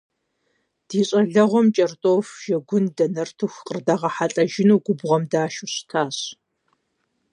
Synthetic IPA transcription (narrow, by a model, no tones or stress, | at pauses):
d̥iːɕʼɐɮɐʁʷɔmt͡ʃʼɐrtʼoːfʒ̥ɐɡʷʊndɐnɐrtʰuxqʼərdɐʁɐħaɬʼɐʒɪnuːɡʷʊbʁɐmdaːʃʊɕtʰaːɕ